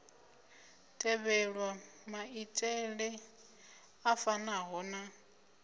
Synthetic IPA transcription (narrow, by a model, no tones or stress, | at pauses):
tʼɛβɛɺwamaitʼɛɺɪ | afanaɦɔna